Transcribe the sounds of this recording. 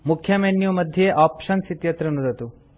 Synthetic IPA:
mukʰjɐmenjumɐd̪ʱjeʔaːpʂɐnsit̪jɐt̪ɾɐnud̪ɐt̪u

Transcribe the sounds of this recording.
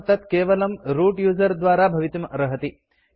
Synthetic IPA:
t̪ɐt̪keːʋɐlɐmɾuːʈjuːzɐɾd̪ʋaːɾaːbʱɐʋit̪imɐɾɐɦɐt̪i

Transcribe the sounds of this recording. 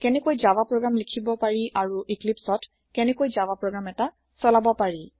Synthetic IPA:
kɛnɛkojzawapɹɔɡamlikʰibɔpaɹiʔaɹuʔiklipsɔt | kɛnɛkojzawapɹɔɡɹamɛta | sɔlabɔpaɹi

